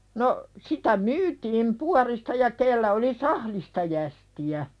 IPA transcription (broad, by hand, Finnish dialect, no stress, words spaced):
no sitæ myːtiːm puɑristɑ jɑ kelːæ oli sɑhlistɑ jæstiæ